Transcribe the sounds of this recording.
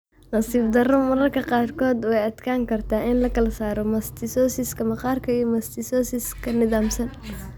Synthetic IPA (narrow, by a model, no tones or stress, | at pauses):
nɐsiːfd̪ɐrɔmɐɾɐrkʰɐqɑːrkʰɔːd̪wɛjɐd̪kʰaːŋkʰɐrt̪ʰaːɪnlɐkʰɐlɐsaːɾɔmɐst̪ʰɪsɔːsɪskʰɐmɐqɑːrkʰɐijɔmɐst̪ʰɪsɔːsɪskʰɐnɪðaːmsɐn